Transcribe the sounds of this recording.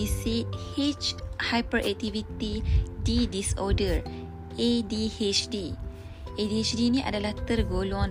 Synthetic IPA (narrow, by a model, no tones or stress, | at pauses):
isihet͡ʃhajpəɾʔɛ̰k̚t̪ivit̪ididisɔdər | ʔedihet͡ʃdi | ediet͡ʃdiniʔa̰dalaht̪ərɡolɔ̃n